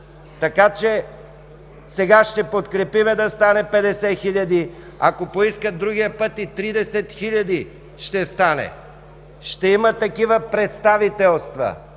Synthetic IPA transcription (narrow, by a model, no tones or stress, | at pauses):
t̪ɐkat͡ʃɛ | sɛɡaʃt̪ɛpot̪kɾɛpimɛd̪ɐst̪anɛpɛd̪ɛsɛxiʎʲɐd̪i | akopoiskəd̪ɾuɡʲijəpɤt̪it̪ɾid̪ɛsɛt̪xiʎʲɐd̪i | ʃt̪ɛst̪anɛ̰ | ʃt̪ɛimət̪ɐkivəpɾɛt̪st̪avit̪ɛlˠst̪vɐ̰